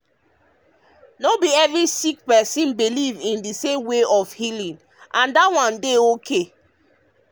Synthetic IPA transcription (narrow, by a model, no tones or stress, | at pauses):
nobiɛvɹisik̚pɛsĩnbilivĩndisẽmweɔfhilĩn | ʔãndawãndeokʰe